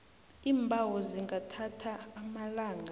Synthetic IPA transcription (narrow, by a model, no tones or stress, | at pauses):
iːmbʱawɔziŋɡʱatʰatʰaːmalaːŋa